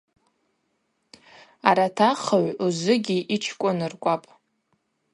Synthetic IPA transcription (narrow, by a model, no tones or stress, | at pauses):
aɾatʰaχaʕuzɨɡʲiʔit͡ʃʰkʷʼʊnɨrkʷʼapʼ